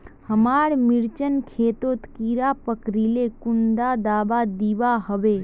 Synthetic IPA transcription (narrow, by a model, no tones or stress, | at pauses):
həmaːɾmɪɾt͡ʃənkʰeːt̪ot̪kiɾapəkɾilekʊnɖ̪ad̪aːbad̪iʋaɦəʋeː